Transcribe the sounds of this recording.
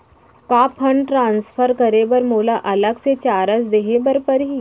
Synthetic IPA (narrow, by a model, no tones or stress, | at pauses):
kaːpʰə̃ɳɖʈɾãːnsfʰəɾkɐɾebɐɾmoːlaʔɐləɡset͡ʃaːɾəs̬d̪eɦebɐɾpɐɾɦiː